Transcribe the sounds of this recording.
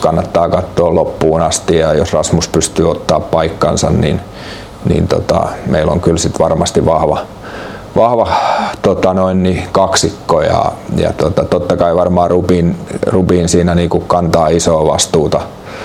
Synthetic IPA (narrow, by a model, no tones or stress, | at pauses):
kɑnːɑt̪ːɑːkɑt̪ːoːlopːuːnɑst̪ijɑjosrɑsmuspyst̪yːot̪ːɑːppɑikːɑnsɑnnḭn | nḭnt̪o̰t̪ɑ̰meilo̰ŋkylsit̪ʋɑrmɑst̪iʋɑhʋɑ̰ | ʋɑhʋɑt̪ot̪ɑnoinnikɑksikːojɑ̰jɑ̰t̪ot̪ɑt̪ot̪ːɑkɑiʋɑrmɑːrupiːnrupiːnsiːnæniːkukkɑnt̪ɑːisoːʋɑ̰st̪uːt̪ɑ